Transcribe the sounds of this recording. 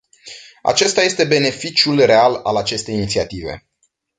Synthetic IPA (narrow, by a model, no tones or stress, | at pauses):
a̰t͡ʃe̞st̪aje̞st̪e̞be̞ne̞fit͡ʃjulre̞alalat͡ʃe̞st̪e̞jinit̪siat̪ive̞̰